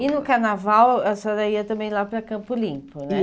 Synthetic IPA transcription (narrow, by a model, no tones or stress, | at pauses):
ɪnʊkaɾnavawɐsad̪ɐiɐt̪ɐ̃mbẽj̃lapɾɐkɐ̃mpʊlĩmpʊnɛ